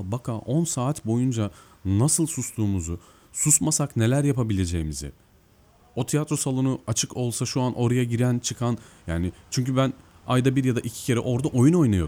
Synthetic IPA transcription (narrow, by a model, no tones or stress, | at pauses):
bakʰaʔo̞nsaːt̪bo̞jund͡ʒa | nasɯlˠsuslˠuːmuzu | susmasakne̞lʲæɾjapabilʲe̞d͡ʒejimizɪ̰ | o̞t̪ʰijat̪ɾo̞salˠunuat͡ʃʰɯkʰo̞lˠsaʃuanʔo̞ɾajaɟiɾænt͡ʃʰɯkʰanjaːnɪt͡ʃʰyɲcybæn | ajd̪abiɾjad̪aʔicʰi̥cʰe̞ɾɛ̰ʔo̞ɾd̪aʔo̞juno̞jnajo̞